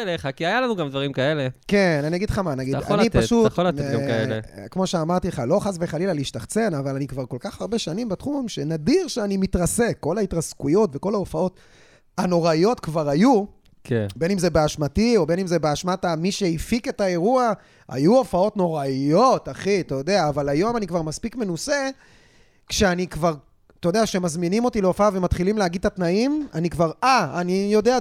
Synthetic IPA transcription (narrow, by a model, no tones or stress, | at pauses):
leχakiajalanuɡamd̪vaʁimkae̞le̞kenaniaɡidχamanaɡid̪a̰nnipaʃut̪olat̪ɡamaelḛkmo̞ʃeamaʁt̪ileχalo̞χasveχalilaleiʃtaχt͡se̞navalanikvaʁko̞lkaχaʁbe̞ʃanimbetχumʃenadiʁʃeanimit̪ʁase̞kːo̞lait̪ʁaskujo̞tve̞ko̞laofao̞t | ano̞ʁaijo̞t̪kvaʁaju | kʰebe̞nimzebeaʃmatio̞be̞nimzebeaʃmatamiʃe̞ifike̞tae̞ʁua | a̰juo̞fao̞tno̞ʁaijo̞taχiat̪ajod̪eaːvalajo̞manikvaʁmaspikme̞nuse̞ | kʃeanikvaʁ | t̪ojod̪eakʃe̞mazminimo̞tileofaave̞mat̪χilimleaɡid̪̚tat̪naimanikvaʁaanijo̞dea